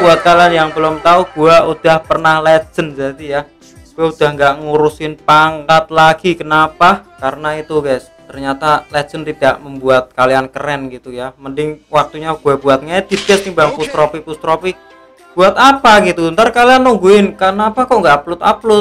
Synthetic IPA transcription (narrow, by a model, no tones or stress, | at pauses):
buat̪̚kalianjaŋbəlʊmt̪auɡ̥uaʔud̪̥ahpərnahlɛ̥d͡ʒ̥ənd͡ʒad̪ija | ɡ̥uaud̪̥ahŋɡaʔŋuɾusɪnpaŋkat̪̚laɡ̥ikənapakaɾənait̪ukɛs | t̪ərɲat̪alɛ̥d͡ʒ̥ənt̪id̪̥aʔməmbuat̪̚kaliankəɾɛnɡit̪ujaməndɪŋwak̚t̪uɲaɡ̥uab̥uat̪̚ŋɛd̪̥i̤t̪ɪt̪̚sɪŋbaŋpust̪ɾopipust̪ɾopi | b̥uat̪apaɡit̪unt̪aɾkalianːuŋɡuɪnkanapakɔʔŋɡaaplʊt̪a̰plʊt̪̚